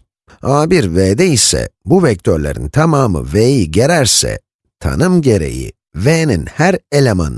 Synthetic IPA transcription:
aːbiɾveːd̪ɛisɛ̰buvɛc̚t̪ʰøɾlʲeɾḭnt̪ʰamaːmɯ̰vejiɟeɾæɾsɛ̰ | t̪ʰa̰nɯmɟe̞ɾe̞̰jḭ | veːninhæɾelʲema̰n

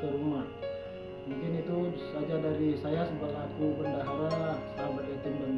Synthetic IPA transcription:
kəɾumah | muŋkɪnit̪usad͡ʒadaɾisajasəmpət̪̚lakubəndaɦaɾalahsaabaɡat̪imbən

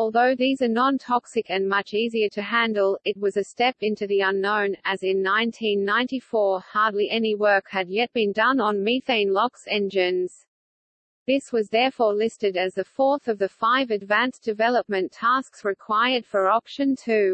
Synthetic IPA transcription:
ɔlˠðoʊðizə˞nɑ̃ntʰɑksɨkɨ̃nmʌt͡ʃiziə˞ɾɨɦæ̃ndˡl̩ˠɨt̚wʌzɨstɛpɪ̃ntʉðiʌ̃nõʊ̃nɨzɨ̃nːãɪ̃ntʰĩnːãɪ̃ntifɔɹhɑɹdˡliʔɛniwɜ˞khɨd̚jɛt̚b̥ɨ̃ndʌ̃nə̃nmiθẽɪ̃nlɑksɛ̃nd͡ʒɪ̃nz̥ | ðɪswʌzðɛɹfɔɹlɪstɨɾɨzðɨfɔɹθʌvðɨfaɪvɨdvæ̃nsd̥ɨvɛlˠəp̚mɨ̃ntʰæsksɹɨkʰw̥aɪə˞d̥fə˞ɑpʃɨ̃ntʰʉ

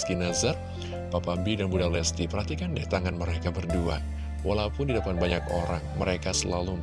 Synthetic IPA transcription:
kinazar | papambidanbudarlɛst̪ipəɾɦat̪ikandɛht̪aŋanməɾekabərdua̰ | wʔa̰laupʊndidəpan̚baɲakoɾaŋməɾekasəlalum

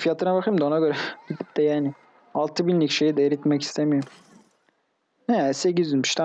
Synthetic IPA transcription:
fijat̪ʰɯnabaxɯjɯmd̪ao̞naɡø̞ɾɛbit̪ʰi̥p̚t̪ɛjaːnɪ | alˠt̪ʰɯbinlʲːicʃe̞jid̪ɛeɾit̪mɛci̥st̪ʰemijoɾm | hɛsecizynmy̥ʃt̪ʰa

